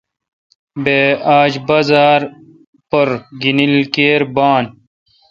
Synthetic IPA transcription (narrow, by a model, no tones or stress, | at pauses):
beːaːd͡ʑbɐzaːɾ | pɐɾɡinilkeːɾbaːn